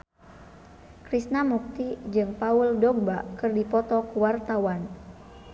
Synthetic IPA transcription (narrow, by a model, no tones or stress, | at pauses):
kɾisnamuk̚t̪id͡ʒɨŋpauldɔɡ̚bakɨrdipɔt̪ɔkuwart̪awan